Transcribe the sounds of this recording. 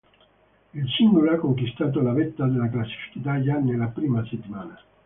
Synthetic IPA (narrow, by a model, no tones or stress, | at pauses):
ilsiŋɡoloakːoŋkist̪aːt̪̬olavɛt̪ːad̪elak̬lasːi̥fi̥kit̪ajanelːapɾiːmaset̪ːimaːna